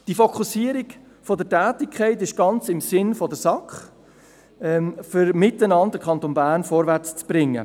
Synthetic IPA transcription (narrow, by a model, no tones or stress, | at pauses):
d̥ifɔkʰusiːəɾik | fɔdətæːtɪkʰχɛɪtɪʃɡ̥ɑnt͡sɪmsɪnfɔdəsɑkχ | ɛmfʏɾmɪtənɑnddəkʰχɑnt̪oːnbæːɾnfɔːɾvæt͡st͡sb̥ɾɪŋːə̰